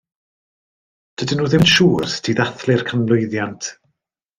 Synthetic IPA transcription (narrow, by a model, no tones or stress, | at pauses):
d̥ədɪnuːðɪnʃuːrstʰiːðaθlɪrkʰənlˠʊɨðjantʰ